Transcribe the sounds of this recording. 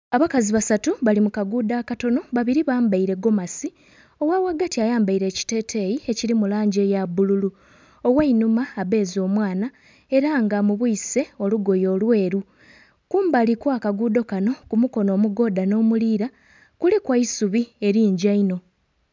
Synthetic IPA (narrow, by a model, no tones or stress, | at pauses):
aβakaziβasatuβalimukaɡuːdakato̞no̞βaβiɾiβaːmbaiɾe̞ɡo̞masi | o̞wawaɡatiajaːmbaiɾe̞ːci̥te̞ːtʰe̞jie̞cilimulaːɲɟe̞jabululu | owainumaːβe̞ːzo̞ːmwaːna | e̞ɾaŋɡamuβuise̞o̞luɡo̞jo̞ːlwe̞ːɾu | kuːmbalikwaːkaɡuːdo̞kano̞kumuko̞no̞ːmuɡo̞ːdano̞ːmuliːɾa | kulekwaisuβie̞ɾiːɲɟaino̞